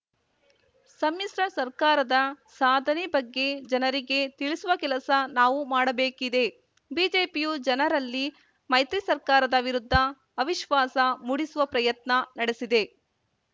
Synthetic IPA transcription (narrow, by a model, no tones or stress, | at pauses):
sɐmjisɾɐsɐɾkaːɾɐd̪ɐ | saːd̪ʱɐnɛbɐɡːe̞d͡ʒɐnɐɾiɡe̞t̪iɭisuʋɐkɛlɐsɐnaːʋumaːɽɐbeːkid̪e̞ | biːd͡ʒe̞ːpijud͡ʒɐnɐɾɐlːi | mɐjt̪ɾisɐɾkaːɾɐd̪ɐʋiɾud̪ʱːɐː | ʋiʃʋaːsɐmuːɽisuʋɐpɾɐjɐt̪nɐnɐɽesid̪e̞